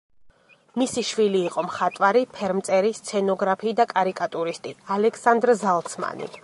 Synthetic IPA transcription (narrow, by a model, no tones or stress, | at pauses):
misiʃviliːqʼɔmχat̪ʼwaɾipʰɛɾmt̪sʼɛɾist̪sʰɛnɔɡɾapʰiːd̪akʼaɾikʼat̪ʼuɾist̪ʼialɛkʰsand̪ɾzalˠt̪sʰma̰nḭ